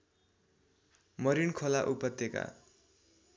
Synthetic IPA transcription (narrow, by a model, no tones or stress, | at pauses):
mʌɾinkʰolaʔupʌt̪ːeka̰